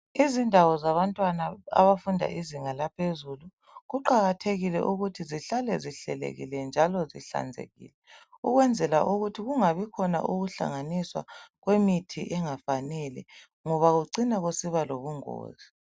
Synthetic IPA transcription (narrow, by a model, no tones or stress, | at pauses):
izindʱawɔzaβantʼwanaa̰βafundʱa̰ʔiziŋalapʰezulu | ɣuǃaɣatʰeɣilɛ̰ʔuɣutʰiziɬalɛziɬɛ̰lḛɣḭlɛnd͡ʒʱalɔzḭɬa̰nd͡zʱḛɣḭːlɛuɣwɛnd͡zʱɛlaʔuɣutʰiɣuŋaβikʰɔna̰ʔuɣuɬa̰ŋaniswa̰ɣwemitʰiʔɛŋafanɛlɛ̰ | ŋɔβaɣuǀinaɣosiβaloβuŋo̰ːzi